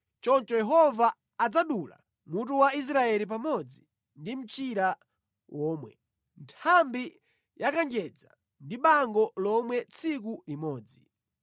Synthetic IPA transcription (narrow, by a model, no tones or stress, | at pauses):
t͡ʃɔnt͡ʃɔjɛɦɔvaː | d͡zaɗula̰ | mut̬uwais̬ɾaɛlip̬amɔd͡zi | ndim̩t͡ʃiɾa | wʔɔːmwɛ̰ | ntʰambi | jakaŋd͡ʒɛd͡za̰ | ndiɓaŋɡɔlɔmwɛt͡sʰikulimɔːd͡zi